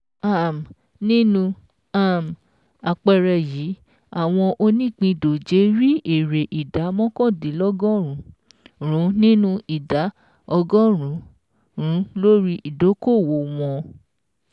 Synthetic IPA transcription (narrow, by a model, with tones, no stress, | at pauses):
a˦˨m˨ | nĩ˦nũ˧ | a˦˨m˨ | a˨k͡pɛ˧ɾɛ˧˨jiː˨˦ | a˦˨w̃ɔ̃˧ʔo˧nĩ˦˨k͡pĩ˧do˨d͡ʒe˧ɾi˦e˨ɾe˨ʔi˨da˨˦mɔ̃˦kɔ̃˦˨di˨˦lɔ˦ɡɔ̃˦ɾũ˨˦ | ɾ̃ũ˨˦nĩ˦nũ˦i˨da˨˦ | ɔ˧ɡɔ̃˦ɾ̃ũ˨˦ | ɾũ˨˦lo˦ɾi˦ʔi˨do˨˦ko˦˨wo˨w̃ɔ̃˧